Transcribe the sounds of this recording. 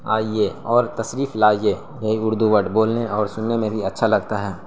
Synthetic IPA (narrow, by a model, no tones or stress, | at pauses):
a̰ːieɔːɾt̪ɐsɾiːflaːieː | jɐɦiʊɾd̪uʋəʈboːlneɔːɾsʊnːemẽbʱiɐtːʃʰalɐɡt̪aɦɛː